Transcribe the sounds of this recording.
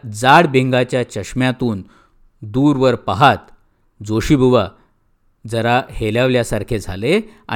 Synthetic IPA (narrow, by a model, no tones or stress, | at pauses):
d͡zaɽbẽŋɡat͡ɕjat͡ɕəɕmjat̪uːn | d̪uːɾʋəɾpaɦat̪ | d͡zoɕibʱuʋa | d͡zəɾaheljaʋljasaɾkʰed͡zʱa̰lea̰